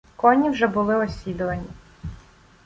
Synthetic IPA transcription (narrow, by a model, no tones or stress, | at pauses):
kɔnʲiwʒɛbʊlˠɪɔsʲid̪ʊʋɐnʲi